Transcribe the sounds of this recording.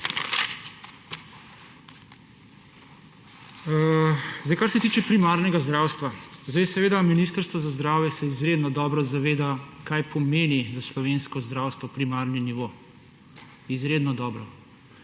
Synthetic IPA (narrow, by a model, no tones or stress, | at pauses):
zd̪ajkaɾsɛt̪iːt͡ʃɛpɾimaɾnɛɡazd̪ɾawst̪ʋazd̪ɛjsɛʋeːd̪aminiːst̪əɾst̪ʋɔzazd̪ɾaːwjɛsɛizɾeːd̪nɔd̪ɔːbɾɔzaʋeːd̪akajpɔmeːnizaslɔʋenskɔzd̪ɾawst̪ʋɔpɾimaɾniniʋo | izɾeːd̪nɔd̪ɔːbɾɔ